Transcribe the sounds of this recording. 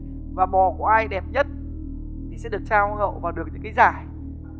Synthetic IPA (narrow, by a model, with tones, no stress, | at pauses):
vaː˨˩ɓɔ˨˩ku˧˩ʔaː˧jɗɛ˨˩p̚ɲə˦˥t̚ | t̪ʰi˨˩sɛ̰˧˥ɗɨ˨˩ək̚t͡ɕaː˧whə̰ː˧˨wvaː˨˩wɗɨ˨˩ək̚t̪ʰːkaː˨˦jzaː˧˨˩j